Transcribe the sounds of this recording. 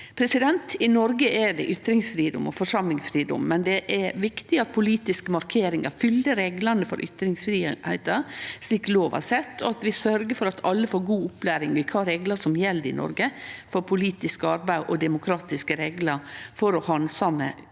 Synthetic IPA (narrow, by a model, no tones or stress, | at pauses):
pʰɾɛsɪd̪ɛnt̪ɪnɔɾɡəʔɛɖɛ̰ʔʏt̪ɾɪŋsfɾiːd̪ɔ̰mɔfɔʂɑmlɪŋsfɾiːd̪ɔ̰mːɛnd̪ɛʔɛɾʋɪkt̪ɪɑt̪̚pʰʊliːt̪ɪskəmɑɾkʰeːɾɪŋɑɾfʏlːəɾeːɡlɑnəfɔ̰ɾʔʏ̰t̪ɾɪŋsfɾiːhæ̰ɪt̪əsliːkloːʋhɑ̰sɛt̪ːɔɑt̪ʋɪsœɾɡəfɔɾɑt̪ʰɑlːəfoːɾɡuːʊplæːɾɪŋʋɪkʰɑːɾeːɡləsɔmjɛlːəɪ̰nɔ̰ɾɡəfɔɾpʰʊliːt̪ɪskəɑɾbæɪʔɔd̪ɛmʊkʰɾɑːt̪ɪskəɾeːɡləɾfɔɾɔhɑnsɑmə